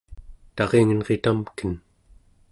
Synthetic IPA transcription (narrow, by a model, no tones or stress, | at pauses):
t̪ɑʁeŋnʁet̪amkən